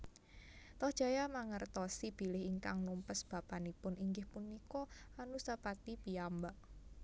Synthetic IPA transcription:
t̪ɔhd̥ʒ̥a̤jamaŋərt̪ɔsib̥i̤lɪhiŋka̰ŋnumpəsb̥a̤panipʊniŋɡɪhpunːikɔanusapat̪ipiambaʔ

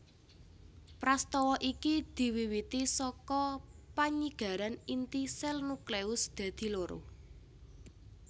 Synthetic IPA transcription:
pɾast̪ɔwɔʔikid̪̥i̤wiwit̪isɔkɔpaɲiɡ̥a̤ɾanint̪isɛlnukleʊsd̪̥ä̤d̪̥i̤loɾo̰

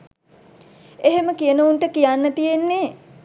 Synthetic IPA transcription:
eɦeməkijənuuɳʈəkijanːət̪ijenːe

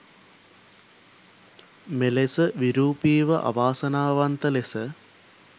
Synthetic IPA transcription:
melesəʋiɾuːpiːʋəʔa̰ʋaːsɐnaːʋant̪əlesə

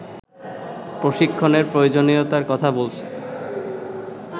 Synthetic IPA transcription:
pɾoʃikʰːoneɾpɾojod͡ʑoniot̪aɾkɔt̪ʰabolt͡ɕʰe

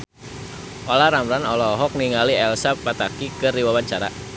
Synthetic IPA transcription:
ʔolahɾamɾanɔlɔɦɔk̚niŋaliɛlsapːat̪akikɨriwawant͡ʃaɾa̰

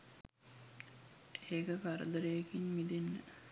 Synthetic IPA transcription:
eːkəkaɾə̰d̪əɾəjekinmid̪enːə̰

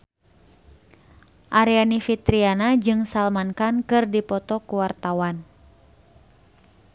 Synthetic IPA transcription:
ʔaɾianifit̪ɾianad͡ʒɨŋsalmankankɨrdipɔt̪ɔkuwart̪awan

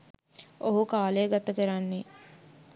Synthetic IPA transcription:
oɦukaːlejəɡat̪ɐkəɾanːe

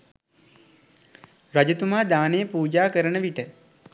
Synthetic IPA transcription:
ɾad͡ʒut̪umaːd̪aːnejəpuːd͡ʒaːkəɾənəʋiʈə

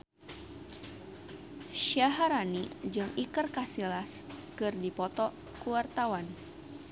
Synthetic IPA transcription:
ʃaɦaɾanid͡ʒɨŋikərkasilaskɨrdipɔt̪ɔ | kuwart̪awan

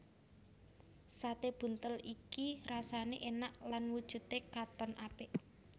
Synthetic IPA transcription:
sat̪eb̥ṳnt̪əlikiɾasaneʔenaʔlanwud̥ʒ̥ṳt̪ekat̪ɔnʔab̥ɪʔ

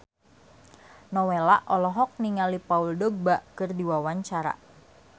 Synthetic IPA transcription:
nɔwelaʔɔlɔɦɔk̚niŋalipauldɔɡ̚baʔkɨrdiwawaɲt͡ʃaɾa̰

